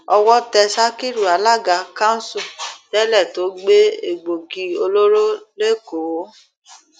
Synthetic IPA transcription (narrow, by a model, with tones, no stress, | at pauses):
ɔ˧wɔ˦tɛ˧ʃa˦ki˦ɾu˨a˨˦la˦ɡa˨˦kã˦n̩˦sũ˧d͡ʒɛ˦lɛ˦˨to˨˦ɡ͡be˦e˨ɡ͡bo˨ɡi˧o˧lo˦ɾo˦le˦ko˨˦